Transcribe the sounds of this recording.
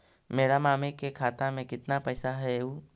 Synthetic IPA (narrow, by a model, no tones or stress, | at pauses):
meːɾamaːmekekʰaːt̪amẽkɪt̪napɛːsaɦɛuː